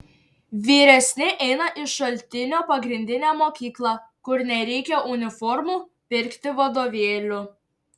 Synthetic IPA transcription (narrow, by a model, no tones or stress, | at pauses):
ʋʲiːɾʲɛsʲnʲɪʔɛɪnɐʔɪʃɐlʲt̪ʲɪnʲoːpɐɡɾʲɪnʲd̪ʲɪnʲæːmoːkʲiːklˠɑkʊɾnʲɛɾʲɛɪkʲɛʔʊnʲɪfɔɾmuː | pʲɪɾʲkt̪ʲɪʋɐd̪oːʋʲeːlʲʊ